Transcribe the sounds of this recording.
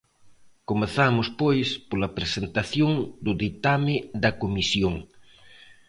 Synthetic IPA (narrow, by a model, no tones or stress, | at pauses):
komeθamʊspojspolɐpɾesent̪aθjoŋd̪ʊðit̪amɪðɐkomisjoŋ